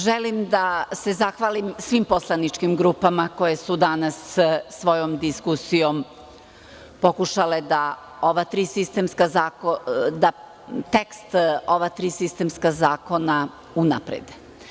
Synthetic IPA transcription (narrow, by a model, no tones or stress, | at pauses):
ʒelimd̪ase̞zaxʋaːlimsʋimpo̞slˠanit͡ʂkimɡɾupamako̞je̞sud̪anasːʋo̞jomd̪iskusijom | po̞kuʃale̞d̪a | oʋat̪ɾiːsist̪emskazaːkod̪a | t̪ekst̪oʋat̪ɾiːsist̪emskazaːko̞na | una̰pɾḛd̪e